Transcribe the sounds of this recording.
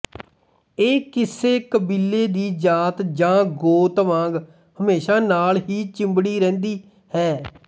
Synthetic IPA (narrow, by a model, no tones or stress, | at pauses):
eːkɪseːkəbilːeːd̪iːd͡ʒaːt̪d͡ʒãːɡoːt̪ʋãːŋɡ | həmeːʃaːnaːlɦiːt͡ʃɪ̃mbɽiːɾɛ̃ːnd̪iː | hɛː